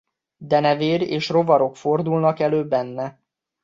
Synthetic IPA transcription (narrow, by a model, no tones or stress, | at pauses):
d̪ɛnɛveːɾeːʃro̞vɒɾo̞kfo̞rd̪ulnɒkɛløːbɛnːɛ